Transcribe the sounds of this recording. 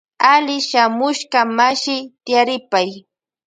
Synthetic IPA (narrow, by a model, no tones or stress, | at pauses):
alɪʃamʊʃkamaʃɪt̪ɪjaɾɪpaj